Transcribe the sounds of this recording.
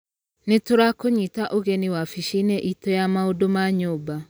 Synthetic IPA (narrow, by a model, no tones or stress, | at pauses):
netoɾakoɲitaʔoɣeniwafiʃineʔitojamaodomaɲoːba